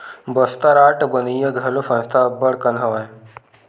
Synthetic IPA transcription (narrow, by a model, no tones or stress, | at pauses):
bəst̪aɾaʈbənijəɡʱɐlofãst̪ʰabəɽkənɦəʋaj